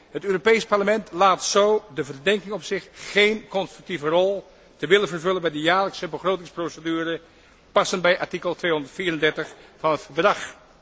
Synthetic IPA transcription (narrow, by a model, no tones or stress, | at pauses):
ɦətøːropejspɑɹləmɛntlaːtsowdəvərdɛŋkɪŋɔpsɪχːejnkɔnstrʉk̚tivərɔlˠ | təʋɪlənvərvɵlənbɛjdəjaːɹləksəbəχrowtɪŋsprowsədyːrə | pɑsənbɛjʔɑɹtikəlˠtʋejɦɔndəɹtfiːrəndɛɹtəχfɑnɦətfəɹdrɑχ